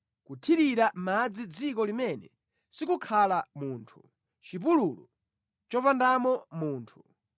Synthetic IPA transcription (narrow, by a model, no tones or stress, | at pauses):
kutʰiɾiɾamad͡zid͡zik̬ɔlimɛnɛ̰ | sikukʰalamuːntʰu̥ | t͡ʃip̬ululu | t͡ʃɔpandamɔmuːntʰu̥